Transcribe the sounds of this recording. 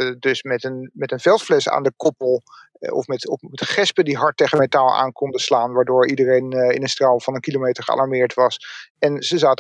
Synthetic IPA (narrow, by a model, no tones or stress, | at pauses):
ədøsmɛtənmɛtənvɛlˠtflɛsa̰ːndəkɔpəlˠ | ɔ̰fmɛtɔmɛtχɛspədiɦɑɹt̚ːeχəmetaːlˠa̰ːnkɔndəslaːnʋaːɹdʊːɹidərejnɪ̰nənstralˠvɑnənkilomejtəɹχəɑ̰lˠɑɹmɪːɹtʋɑsɛnzəzaːt